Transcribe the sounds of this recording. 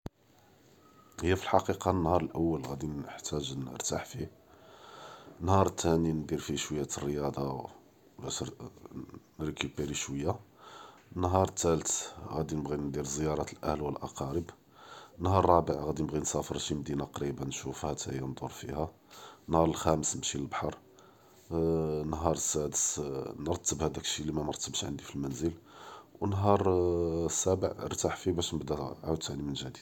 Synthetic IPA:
həjːæfilħɑqiqɑnːhɑɾˤəlʔəwːəlɣæd̪inəħt̪æʒnə̰ɾt̪a̰ħfi | ənːhɑɾˤt̪ːænind̪iɾfiʃwəjːæt̪ərːəjɑd̪ˤɑ | bæʃ | nɾkubəɾiʃwəjːa | ənːɦɑɾˤt̪ːælt̪ɣæd̪inəbɣind̪iɾzəjɑɾˤɑt̪əlʔæ̰hlwəlʔɑ̰qɑɾəb | ənːhɑɾˤɑbəʕɣæd̪inəbɣinsɑfəɾʃimd̪inaqɾibanʃufhæt̪ʰæhəjːænd̪ˤʊɾˤfḭhæ | nhɑɾˤəlxæməsmʃiləlbħɑɾˤ | nɦɑɾˤsːæd̪əsnəɾət̪ːəbhæd̪ækʃilimæməɾˤt̪ːəbʃʕə̰nd̪ifilmænzəlwnɦɑɾˤsːæbəʕə̰ɾt̪aħfibæʃnəbd̪æʕawd̪̚t̪ːaʕnimənʒæd̪id̪

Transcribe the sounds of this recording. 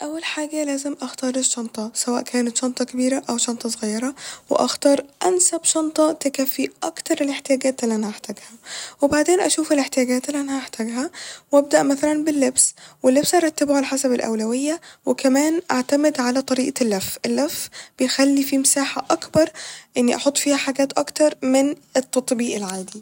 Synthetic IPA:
ʔæwːalħaːɡælæːzɪmʔaxt̪ɑːɾˤeʃːɑnt̪ˤɑsæwæːʔkʰæːnæt̪ʃɑnt̪ˤɑkɪbiːɾæʔæwʃɑnt̪ˤɑsˤɣɑjːɑɾˤɑwɪ̰ʔɑxt̪ɑːɾˤʔænsæbʃɑnt̪ˤɑt̪ekæfːiʔɑkt̪ɑɾˤeleħt̪ɪjæːɡæːt̪ʔlːiʔænhæʔaħt̪æɡhæwɪbaʕd̪eːnʔæʃuːfeleħt̪ɪjæːɡæːt̪ʔlːiʔænhæʔaħt̪æɡɦæwʔæb̚d̪æʔmæθælænbɪlːebswɪlːebsʔɑɾˤɑt̪ːabhalħasabɪlʔæ̰wlæwɪjːawɪkæmæːnʔaʕt̪amɪd̪ʕalæt̪ˤɑɾiːʔlːæfʔɪlːæfːbɪjxælːifimsaːħaʔɑkbɑɾˤʔɪnːiʔɑħot̪ˤːfiːhæħaɡæːt̪ʔɑkt̪ɑɾˤmɪnɪt̪ːɑt̪ˤbiːʔɪlʕaːd̪i

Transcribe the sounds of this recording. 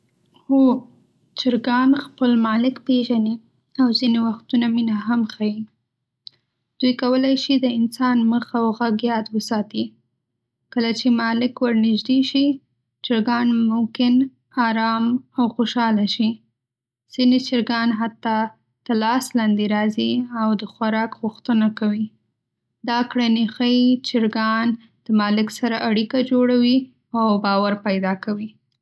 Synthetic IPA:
ho | t͡ʃɪɾɡɑnxpəlmɑlɪkpeʒani | awzinewaxt̪unaminaɦamxaji | d̪̥ujkawəlajʃid̪əɪnsɑnməxawɣaɡjɑt̪wəsɑt̪i | kəlat͡ʃemɑlɪkwaɾnɪʒd̪eʃi | t͡ʃɪɾɡɑnmʊmkɪn | ɑɾɑmawxoʃɑlaʃi | z̥inet͡ʃɪɾɡɑnɦat̪ːɑ | d̪̥əlɑslɑnd̪eɾɑziawd̪əxwaɾɑkɣʊxt̪ənakawi | d̪ɑkɽanixəjt͡ʃɪɾɡɑn | d̪̥əmɑlɪksaɾaʔaɽikad͡ʒoɽawi | awbɑwaɾpajd̪ɑkawi

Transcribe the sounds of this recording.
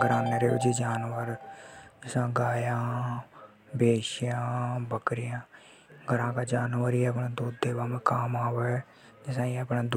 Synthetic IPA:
ɡəɾaːneːɾeːɪd͡ʒiːd͡ʒaːnʋəɾd͡ʒɪsãːɡaːjãː | beːʃɪjãːbəkɾɪjãː | ɡʱəɾãːkaːd͡ʒaːnʋəɾiːɛəpnãːd̪uːd̪eːʋaːmẽːkaːmaːʋɛː | d͡ʒɪsãːiəpnãːd̪

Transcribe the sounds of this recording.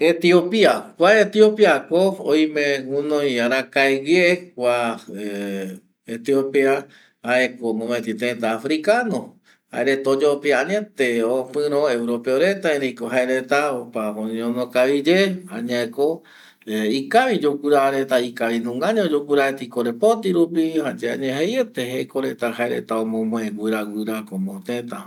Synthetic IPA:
et̪iopiakʷaet̪iopiakooj̃mẽunõjaɾãkaeɡekʷae | et̪iopia | aekomõmet̪it̪et̪aːfɾikanõ | ha̰eɾet̪aod͡ʒopiaaɲãt̪eopɨ̃ɾ̃õewɾopeoɾet̪aẽɾejkoɦaeɾet̪aopahoɲõnokaβid͡ʒehã̰ɲaeko | ikaβid͡ʒokʷuɾaːɾet̪aikaβinũŋɡaɲãod͡ʒokɨɾaet̪ikoɾepot̪iɾupihad͡ʒea̰ɲẽɦejet̪eɦejkoɾet̪ahaeɾḛt̪aomõmõẽɡɨɾaɡɨɾakomõt̪et̪a

